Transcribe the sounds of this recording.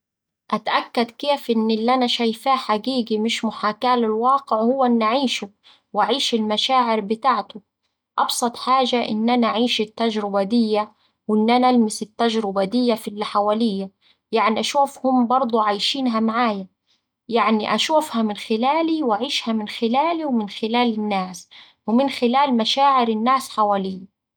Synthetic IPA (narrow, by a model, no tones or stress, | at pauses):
ʔat̪ʔakːad̪keːfʔɪnːɪlːʔanaʃajfaːħaɡiːɡimɪʃmʊħaːkaːlɪlwɑːqɪʕhʊwːaʔɪnːʔaʕiːʃu | wʔaʕiːʃɪlmaʃaːʕɪɾbɪt̪aːʕt̪ʊ | ʔɑbsˤɑt̪ˤħaːʒaʔɪ̰nːʔanaʔaʕiːʃɪt̪ːaʒɾɪbad̪ɪjːa | wɪnːʔanalmɪsɪt̪ːaʒɾɪbad̪ɪjːafilːħawaːlɪjːa | jaʕniʔaʃuːfhʊmbɑɾˤd̪ˤuʕaːjʃiːnɦamaʕaːja | jaʕniʔaʃuːfhamɪnxɪlaːliwaʕiːʃhamɪnxɪlaːliwmɪnxɪlaːlɪnːaːs | wmɪnxɪlaːlmaʃaːʕɪɾɪnːaːsħawaːlɪjːa